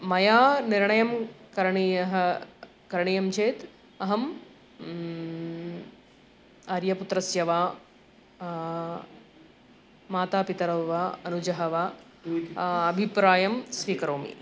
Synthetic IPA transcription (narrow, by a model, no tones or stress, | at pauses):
mɐjaːniɾɳɐjɐmkɐɾɐɳijɐɦɐ | kɐɾɳijɐmt͡ʃʰeːt̪ | ɐɦɐm | ɐɾjɐput̪ɾɐsjɐʋaː | maːt̪aːpit̪ɐɾɐʋʋaːɐnud͡ʒɐɦɐʋaː | ɐbʱipɾaːjɐmsʋiːkɐɾoːmḭ